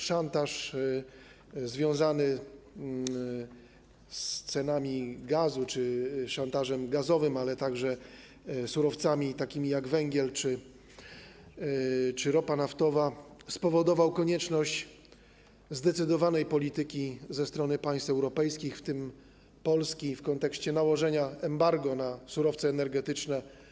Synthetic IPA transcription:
ʂant̪aʂ | zvʲjɔ̃w̃zanɘ | st̪sɛnamʲiɡazut͡ʂɘʂant̪aʐɛmɡazɔvɘmalɛt̪aɡʐɛ | suɾɔft̪samʲit̪akʲimʲijaɡvɛŋɡʲjɛlt͡ʂɘ | t͡ʂɘɾɔpanaft̪ɔvaspɔvɔd̪ɔvawkɔɲɛt͡ʂnɔɕt͡ɕ | zd̪ɛt̪sɘd̪ɔvanɛjpɔlʲit̪ɘkʲizɛst̪ɾɔnɘpaj̃st̪ɛwɾɔpɛjskʲixft̪ɘm | pɔlskʲifkɔnt̪ɛkɕt͡ɕɛnawɔʐɛɲaɛmbaɾɡɔnasuɾɔft̪sɛːnɛɾɡɛt̪ɘt͡ʂnɛ

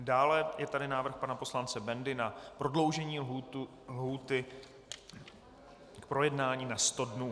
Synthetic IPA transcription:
daːlɛjɛt̪adɪnaːvr̩xpanapo̞slant͡sɛbɛndɪnapɾo̞dlo̞wʒɛɲiː | lɦuːt̪ɪ | k̚pɾo̞jɛdnaːɲiːnast̪o̞dnuː

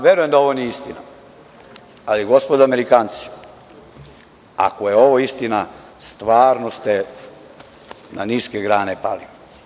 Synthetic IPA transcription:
ʋjeɾujemd̪ao̞ʋo̞nieist̪ina̰ | aliɡo̞spod̪ameɾikaːnt̪si̥ | a̰kojeo̞ʋoist̪ina | st̪ʋaːɾnost̪e | na̰niskeɡɾaːnepali

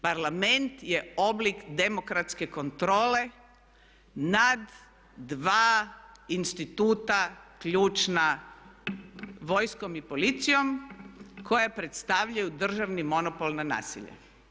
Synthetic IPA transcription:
paɾlame̞nt̪je̞o̞blikd̪e̞mo̞kɾat̪ske̞ko̞nt̪ɾo̞ːle̞ | nad̪ː | ʋaːinst̪it̪uːt̪akʎuːt͡ʃna | ʋo̞jsko̞mipo̞lit̪sijo̞m | kʰo̞japɾe̞t̪st̪aʋʎajud̪r̩ʒaʋnimo̞nopo̞lˠnana̰ːsḭʎa̰

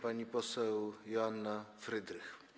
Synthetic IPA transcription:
paɲipɔsɛwjɔanːafɾɘd̪ɾɘx

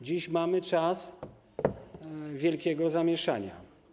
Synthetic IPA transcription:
d͡ʑiɕmamɘt͡ʂas | vʲjɛlkʲɛɡɔzamʲjɛʂa̰ɲa̰

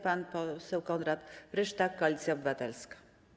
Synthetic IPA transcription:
panpɔsɛwkɔnɾat̪ɾɘʂt̪akːɔalʲit̪sʲjaɔbɘvat̪ɛlskḁ

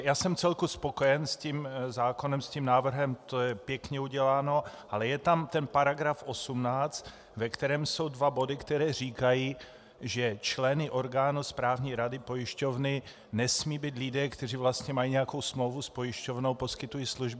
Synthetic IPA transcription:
jaːsɛmt͡sɛlkuspo̞kojɛnscimzaːko̞nɛmscimnaːvr̩ɦɛmt̪o̞jɛpjɛkɲɛuɟɛlaːno̞ʔalɛjɛt̪amt̪ɛnpaɾaɡɾafo̞sumnaːt͡st̪ | vɛkt̪ɛɾɛːmso̞wdvabo̞dɪkt̪ɛɾɛːriːkajiː | ʒɛt͡ʃlɛnɪʔo̞ɾɡaːnuspɾaːvɲiːɾadɪpo̞jɪʃco̞vnɪ | nɛsmiːbiːt̪lɪdɛːkt̪ɛriːvlast̪ɲɛmajiːɲɛjako̞wsmlowvuspojɪʃco̞vno̞wpo̞skɪt̪ujiːsluʒbɪ

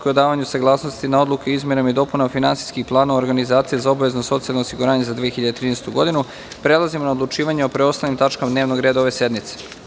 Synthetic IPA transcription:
kojod̪aːʋaɲusaɡlˠaːsno̞st̪inao̞d̪lˠukeoizmʲjenomaid̪o̞punafinant̪i̥skixplˠaːnaoɾɡanizaːt̪sijezao̞baʋe̞znoso̞t̪sialnoːsiɡuɾaːɲe̞zad̪ʋiexiʎad̪et̪ɾiːnest̪uɡo̞d̪inu | pɾe̞lˠazimonaod̪lˠut͡ʃiːʋaɲeopɾeo̞st̪alnimt̪at͡ʃkamad̪neːʋno̞ɡɾeːd̪aoʋe̞se̞d̪nit̪se̥

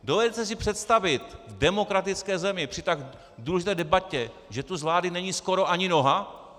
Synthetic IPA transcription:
dovɛdɛt̪ɛs̬ɪpr̝̥ɛt̪st̪avɪt̪vdɛmo̞kɾat̪ɪt͡skɛːzɛmɪpr̥ɪt̪aɡ | duːlɛʒit̪ɛːdɛbacɛ | ʒɛt̪uzvlaːdɪnɛɲiːsko̞ɾo̞ʔaɲɪno̞ɦa

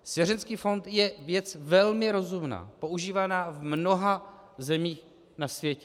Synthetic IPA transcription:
sjɛɾɛnskiːfo̞nt̪jɛvjɛt͡svɛlmɪɾo̞zumna̰ːpo̞uʒiːvanaːvmno̞ɦa | zɛmiːx | nasvjɛcɛ

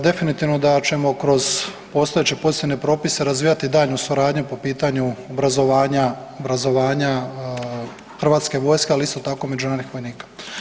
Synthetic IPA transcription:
d̪e̞finit̪iʋno̞d̪at͡ʃe̞mo̞kɾo̞z | po̞ːst̪o̞jet͡ɕe̞po̞zit̪ʲine̞pɾo̞ːpiseɾazʋiːjat̪id̪aːʎnusuɾaːd̪ɲupo̞piːt̪aɲuobɾazo̞ʋaːɲaobɾazo̞ʋaːɲa | xr̩ʋaːt̪ske̞ʋo̞ːjskealiist̪o̞t̪ako̞me̞d͡ʒunaːɾnixʋo̞jniːkḁ

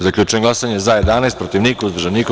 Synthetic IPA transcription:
zaklʲuːt͡ʃeeŋɡlˠasaɲezajed̪aːnajst̪pɾot̪iʋniːkauzdrʒeniːk

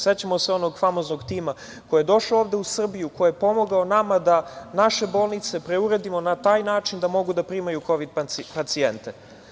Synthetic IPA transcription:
set͡ɕamo̞seo̞no̞ɡfamo̞znoɡt̪iːma | ko̞jejed̪o̞ʃaooːʋd̪e̞usr̩bijuko̞jejepo̞mo̞ɡaonamad̪anaʃe̞bo̞ːlˠnit̪se̞pɾe̞uɾe̞d̪imo̞nat̪aːjnaːt͡ʃind̪amo̞ɡud̪apɾimajukoʋid̪̚ppat̪sient̪e

